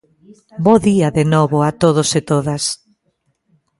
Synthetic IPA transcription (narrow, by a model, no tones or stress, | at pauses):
boðiaðenɔβʊat̪oðosɪt̪oðas